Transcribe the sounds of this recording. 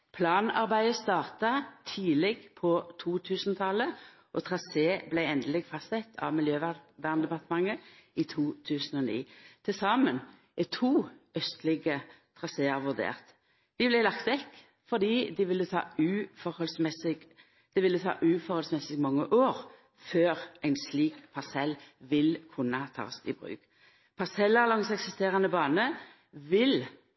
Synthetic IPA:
pʰlɑːnɑ̰ʁbæɪəst̪ɑːʁt̪ɑt̪ʰiːlɛɡpʰɔt̪ʰuːt̪ʰʉːsnt̪ʰɑlə | ʔɔt̪ʰʁɑseːblæɪɛnd̪əlɪɡfɑst̪ɛt̪ʰːɑ̰ʋmɪljøːʋæʋæːʁnd̪ɛpɑt̪əmɑŋːəɪt̪ʰuːt̪ʰʉːsənɔnḭːt̪ʰɪlsɑːmən | ɪt̪ʰuːœst̪lɪɡə | t̪ʰɾɑseːɑʋʉʁd̪ḛːʁt̪ | d̪̥ɪblæɪlɑkt̪ʋɛkː | fɔd̪iːd̪ɪʋɪlːət̪ʰɑ̰ːʉːfɔɾhɔlsmɛsɪɡ | d̪̥ɪʋɪlːət̪ʰɑ̰ːʔʉːfɔʁhɔlsmɛsɪɡmɑŋːəʔoːʁ | føːʁæɪnsliːkpʰɑsɛlʋɪlkʰʊnːɑɑt̪ʰɑ̰ːsɪ̰bʁʉ̰ːɡ̥ | pʰɑsɛlɑʁlɑŋsɛksɪst̪eːʁɑnəbɑːnə | ʋɪl

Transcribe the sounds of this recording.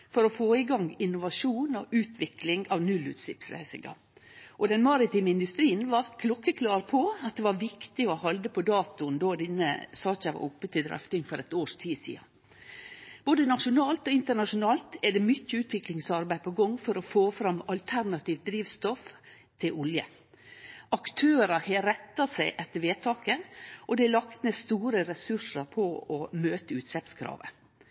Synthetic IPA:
fɔɾɔfoːɪɡɑŋɪnːʊʋɑʂuːnɔʔʉːt̪ʰʋɪklɪŋɑʋnʉlʉ̰ːt̪sɪ̰psɾæ̰ɪsɪ̰ŋɡɑ̰ | ʔɔd̪ɛnmɑɾɪt̪iːməɪnd̪ʉst̪ɾiːənʋɑɾkʰlɔkːəkʰlɑːɾpʰɔɑt̪̚d̪ɛʋɑɾʋɪkt̪ɪɔhɑld̪əpʰɔd̪ɑːt̪ʊnd̪oːd̪ɪnːə̰sɑːc͡çɑʋɑ̰ʔʊpːət̪ʰɪld̪ɾœ̰ft̪ɪŋfɔɾɛt̪oːʂt̪ʰiːsḭːɑ̰ | b̥oːd̪ənɑʂʊnɑːlt̪ɔɪnt̪əɳɑʂʊnɑːlt̪ɛɖɛmʏcːəʉːt̪ʋɪklɪŋsɑɾbæɪpʰɔɡɔŋːfɔɾɔfoːfɾɑmɑlt̪ʰæɾnɑt̪iːʋt̪̚d̪ɾiːʋst̪ɔf | t̪ʰɪlʔʊljə̰ | ʔɑkt̪ʰøːɾəɾheːɾɛt̪ːɑsæɪʔɛt̪ːəɾʋeːt̪ʰɑːkəʔɔd̪ɛælɑkt̪nəst̪uːɾəɾɛsʉʂəɾpʰɔɔmøːt̪əʉːt̪sɛpskʰɾɑ̰ːʋə̰

